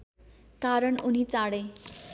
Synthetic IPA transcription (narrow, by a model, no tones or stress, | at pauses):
kaɾʌɳunit͡saɽe